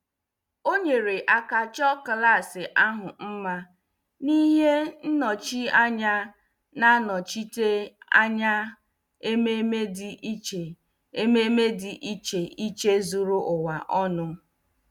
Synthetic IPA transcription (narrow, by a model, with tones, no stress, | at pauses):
o˦ɲe˨ɾe˨ʔa˦ka˦t͡ʃɔ˦kla˦˨sɪ˨ʔa˦ɦʊ˨m̩˦ma˦ | ni˦ɦe˦n̩˦nɔ˨t͡ʃi˦a˦ɲa˦ | na˦nɔ˨t͡ʃi˦te˦a̰˦ɲa˦ | e˦me˦me˦dɪ˦t͡ʃe˨ | e˦me˦me˦dɪ˨ʔi˦t͡ʃe˨ʔi˦t͡ʃe˦zu˨ɾu˦ʔʊ˨wa˨ʔɔ˦nʊ˦